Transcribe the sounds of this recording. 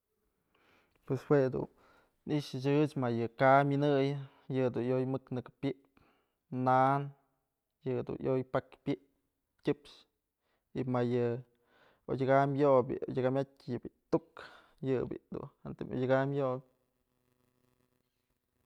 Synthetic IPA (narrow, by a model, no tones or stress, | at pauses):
pweswed̪ṵn | niʔʃɨt͡ʃɨt͡ʃmajɨkaminɨjɨ | jɨd̪unjojmɨknɨkpʲiʔp | nan | jɨd̪ṵnjʔojpakpʲiʔp | tʲɨpʃ | imajɨ | o̰dʲaɡamjoʔbʲḭodʲaɡamʲatʲjɨbʲit̪uk | jɨbʲḭd̪ṵnɨnt̪ɨmʔo̰jʲɡamjo